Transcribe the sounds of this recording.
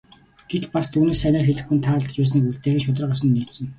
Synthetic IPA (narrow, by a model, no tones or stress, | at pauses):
ɡ̥et̪past̪ʰuːneːsænʲaːxeɮɘ̆xunt̪ʰaːɮə̆t͡ɕpæːs̬niːkuɮt̪eːxĕːʃ̬ʊt̪̬ə̆rʁasə̆nːiːt̪sɘ̆ŋ